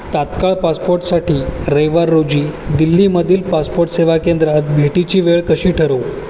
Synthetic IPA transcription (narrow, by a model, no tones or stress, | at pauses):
t̪at̪kaɭpaspoɾʈsaʈiːɾeʋaɾːod͡ʑiːd̪ilːiːməd̪ʱiːlpaspoɾʈseʋakend̪ɾat̪̚bʱeʈit͡ɕiːʋeɭkəɕiːʈʰəɾo